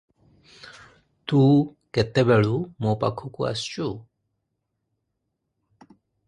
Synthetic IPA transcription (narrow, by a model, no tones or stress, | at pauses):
t̪ukɛt̪ɛbɛɭumopakʰukua̰st͡ʃu